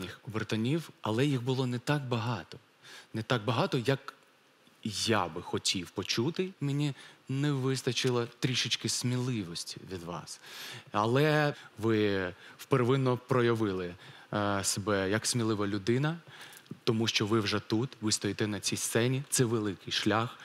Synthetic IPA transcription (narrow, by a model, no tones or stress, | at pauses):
nʲɪxɔbert̪ɐnʲiwɐlˠɛjiɣbʊlˠɔnɛt̪ɑk̚bɐɦɑt̪ɔ | nɛt̪ɑɡ̚bɐɦɑt̪ɔjɐk | jabɪxɔtʲʰiwpɔt͡ʃut̪ɪmɪnʲinɛʋɪsnɐt͡ʃɪlˠɐt̪ɾʲiʃɪt͡ʃkɪsmʲilˠɪʋɔsʲtʲi̥̰ʋʲid̪ʋɑ̰sɐlˠɛʋɪwpeɾʋɪnːɔpɾɔjɐʋɪlˠɪ | sebɛjɐksʲmʲilˠɪʋɐlʲʊd̪ɪnɐt̪ɔmuʃt͡ʃɔʋɪwʒɛt̪ut̪ʋɪst̪ɔjit̪ɛnɐt͡sʲijst̪sɛnʲit̪sɛʋelˠɪkɪjʃlʲax